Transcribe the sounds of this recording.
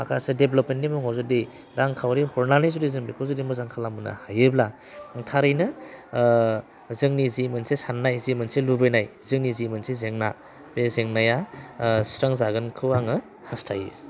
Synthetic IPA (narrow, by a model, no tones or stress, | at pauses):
a̰kʰasɯdeblopmentːnːimuŋɦawzɯdi | ɾaŋkʰawɾihɔɾnanizudizɯŋbikʰozɯdimɯzaŋkʰalamuna̰hajebla | tʰaɾɯjnɯ | zɯŋnizimɯnsisanːajzimɯnsilubɯjnajzɯŋnizimɯnsizeŋna̰ | bezeŋnajasɾaŋzaɡɯnkʰɯwaŋɯ | hastʰajɯ